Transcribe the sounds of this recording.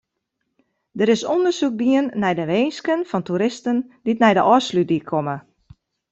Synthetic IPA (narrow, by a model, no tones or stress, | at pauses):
dəɾɪsondərsuk̚diənːɛjdəʋeːnskənfɔntuɾɪstənditnɛjdəʔɔslyt̚dikʰomə